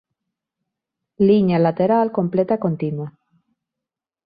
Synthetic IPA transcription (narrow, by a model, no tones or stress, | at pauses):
liɲalat̪eɾalko̞mplet̪akont̪inwa